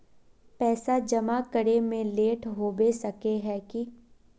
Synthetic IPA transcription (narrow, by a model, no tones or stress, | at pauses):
pɛːsad͡ʒɐmakəɾemẽleːʈɦoːbesɐkeɦɛki